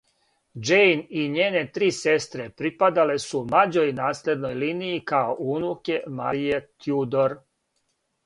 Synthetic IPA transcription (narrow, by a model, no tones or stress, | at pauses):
d͡ʒejniɲeːne̞t̪ɾiːse̞st̪ɾepɾipad̪ale̞sumlad͡ʑo̞jnaːsle̞d̪no̞jliːnijikaoʔunuke̞ma̰ɾijet̪jud̪oɾ